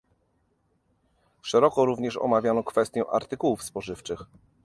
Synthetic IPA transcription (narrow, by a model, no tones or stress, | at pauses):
ʂɛɾɔkɔɾuvɲɛʂɔ̰mavʲjanɔkfɛst̪ʲjɛʔa̰ɾt̪ɘkuwufspɔʐɘft͡ʂɘx